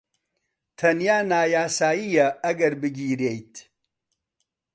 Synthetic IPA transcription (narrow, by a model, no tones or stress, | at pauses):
tʰɐnjaːnaːjaːsaːjijɐɐɡɐɾbɨɡʲiːɾejtʰ